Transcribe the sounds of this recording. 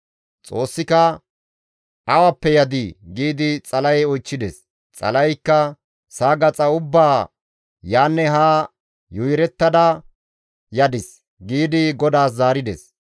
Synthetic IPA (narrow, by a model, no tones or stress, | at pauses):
t͡sʼoːsːɪkɐ | ɐwɐpːɛjɐd̪ɪɡiːd̪ɪt͡sʼɐlɐjɔjt͡ʃːɪd̪ɛs | t͡sʼɐ̰lɐjkːɐ | saːɡɐt͡sʼɐʊbːaː | jaːnːɛɦaː | jʊjɾɛt̪ːɐd̪ɐ | jɐd̪ɪs | ɡiːd̪ɪɡɔd̪aːs̬zaːɾɪd̪ɛ̰s